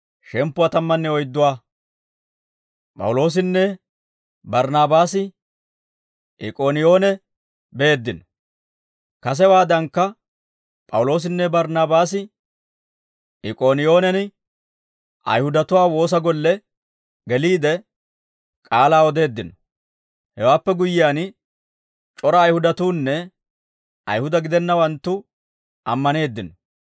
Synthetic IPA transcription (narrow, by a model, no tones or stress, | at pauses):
ʃɛmpːʊwaːt̪ɐmːɐnːɛɔjd̪ːʊwaː | pʼɐ̰wʊlo̞ːs̬ɪnːɛ | bɐɾnaːbaːsɪ | ʔɪkʼoːnɪjo̞ːnɛ | be̞ːd̪ːɪnɔ | kɐs̬ɛwaːd̪ɐŋkːɐ | pʼɐ̰wʊlo̞ːs̬ɪnːɛbɐɾnaːbaːsɪ | ʔɪkʼo̞ːnɪjo̞ːnɛnɪ | ʔɐ̰jhʊd̪ɐt̪ʊwaːwo̞ːs̬ɐɡɔlːɛ | ɡɛliːd̪ɛ | kʼaːlaːɔd̪e̞ːd̪ːɪnɔ | hɛwaːpːɛɡʊjːɪjaːn | t͡ʃʼɔɾɐːjhʊd̪ɐt̪uːnːɛ | ʔɐ̰jhʊd̪ɐɡɪd̪ɛnːɐwɐnt̪ːʊ | ʔɐmːɐne̞ːd̪ːɪnɔ